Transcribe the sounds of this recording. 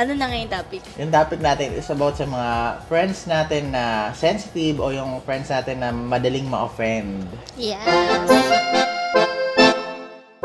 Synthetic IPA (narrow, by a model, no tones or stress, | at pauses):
ʔɐnonɐŋɐjʊŋt̪aːpɪk̚jʊŋt̪aːpɪk̚naːt̪ɛnʔɪ̰sɐbawt̪̚sɐmɐŋafɹɛnd̪snaːt̪ɛnːɐsɛnsɪt̪ibʔojʊŋfɛnd̪snaːt̪ɛnːɐmɐd̪ɐlɪŋmɐʔɐfɹɛnd̪jɛ